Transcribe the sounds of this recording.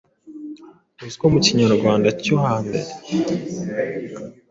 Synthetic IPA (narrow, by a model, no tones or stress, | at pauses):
uzkomuciɲaɾɡwaːndacohaːmbḛɾe